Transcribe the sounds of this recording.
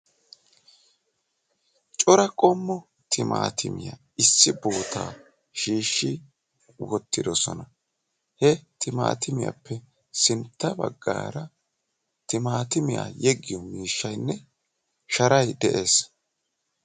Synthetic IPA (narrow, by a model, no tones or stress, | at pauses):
t͡ʃʼɔɾɐkʼɔmːɔ | t̪ʰɪma̰ːt̪ʰɪmɪja | ɪsːɪboːt̪ʰa̰ː | ʃiːʃːɪ | wɔt̪ːɪd̪ɔsɔnɐ | hɛt̪ʰɪma̰ːt̪ɪmɪja̰pːɛ | sɪnt̪ːɐbɐ̰ɡːa̰ːɾɐ | t̪ɪmaːt̪ɪmɪja̰ːjɛɡːɪjɔmiːʃːɐjnːɛ | ʃɐɾɐjd̪ɛʔe̞ːs